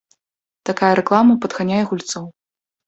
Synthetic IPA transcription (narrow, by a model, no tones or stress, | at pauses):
t̪akajɐɾɛklˠamɐpɐd̪ɣanʲajɛɣulʲt̪sɔw